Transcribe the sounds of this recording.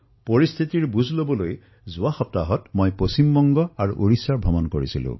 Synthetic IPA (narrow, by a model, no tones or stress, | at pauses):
poɹist̪ʰitiɹbuzʱlobɔloj | zʊwaxɔp̚taɦɔtmojposimbɔŋɡɔaɹṵʔoɹisaɹbʱɔmɔnkoɹisilʊ̰̃